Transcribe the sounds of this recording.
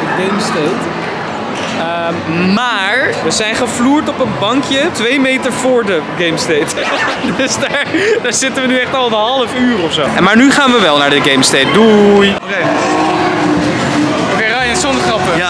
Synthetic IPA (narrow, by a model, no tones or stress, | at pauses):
dəɡejmstejt | ə | mmaːɹʋəzɛjnχəvluːɹtɔpənbɑŋkjətʋejmejtəɹvʊːɹdəɡejmstejt | dɵsdaːɹd̥aːɹzɪtəʋənyɛχtɑlˠnɦɑləfyːrɔfsowmaːɹnyχaːnʋəʋɛlˠnaːɹdəɡejmstejt̚duj | e | okeraːjəsɔndəχrɑpə